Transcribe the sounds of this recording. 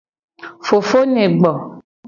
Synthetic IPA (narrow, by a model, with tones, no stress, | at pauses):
fo˨fo˦nẽ˨ɡ͡bɔ˨